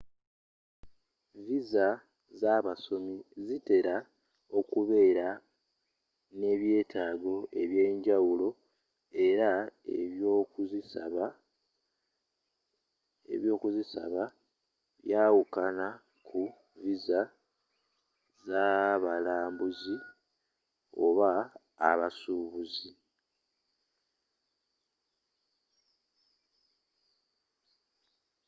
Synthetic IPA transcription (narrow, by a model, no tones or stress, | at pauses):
viza | zaβaso̞mizite̞ɾa | o̞kuβe̞ːɾa | ne̞βje̞ːtʰaːɡo̞ʔe̞βje̞ːɲɟawulo̞ | e̞ɾaḛβjokuzisβa | ḛβjo̞ːkuzisa̰βa | βjaːwukana | kʰu | viza | zaβalaːmbuzi | o̞̰βa̰ː | βasuβuzi